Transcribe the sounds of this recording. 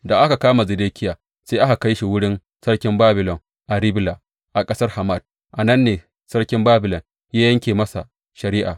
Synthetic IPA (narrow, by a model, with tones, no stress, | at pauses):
da˨ʔa˦ka˨kaː˦ma˨zɪ˨deː˦kʲɪ˦jaː˨ | seː˦ʔa˦ka˨ka˦jʃi˨wʊ˦ɽɪ˦n | sɐ˦rkʲɪ˦mbaː˦bɪ˨lɔ˨ŋ | ʔa˨ɾɪ˦blaː˨ | ʔa˨kʼɐ˦sɐ˦rha˨ma˦˨d̥̚ | ʔa˨nɐ˦nːeː˨ | sɐ˦ɽkʲɪ˦mbaː˦bɪ˨lɔ˨n | jaː˦jɐ˦ŋkʲeː˨mɐ˦sa˨ | ʃɐ˨ɾiː˦ʔa̰ː˨